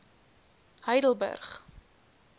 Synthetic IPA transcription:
həjdəl̩ˠbə̰rχ

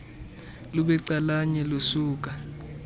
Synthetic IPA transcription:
luɓɛǀalaɲɛlosuːk̬a

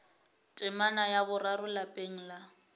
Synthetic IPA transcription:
tʼɪmanajabʊrarʊlapʼeŋ̩la

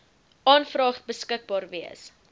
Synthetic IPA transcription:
ʔɑːnfrɑːχt̚bəskək̚bɑːrviəs

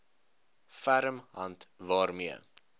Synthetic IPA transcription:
fæɾəmɦɐntvɑːrmiə

